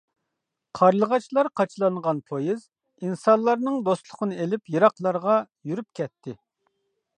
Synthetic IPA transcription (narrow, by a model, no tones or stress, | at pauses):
qʰɑɾlˠəʁɑt͡ʃʰlˠɑɾqʰɑt͡ʃʰlˠɑŋʁɑnpʰojiz̥ | insɑnlˠɑɾnɨŋd̪ost̪lˠʊqʰənɨelɪpjiɾɑqlˠɑɾʁɑ | jyɾyp̚kʲʰɛt̪ʰːɪ